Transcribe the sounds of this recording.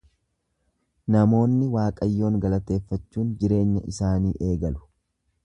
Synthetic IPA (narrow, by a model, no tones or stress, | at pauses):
nɐmo̞ːnːɪwaːkʼɐjːo̞ːŋɡɐlɐt̪e̞ːfːɐt͡ʃːuːnd͡ʒɪɾe̞ːɲːɐ̰ʔɪsaːniːʔe̞ːɡɐlʊ̥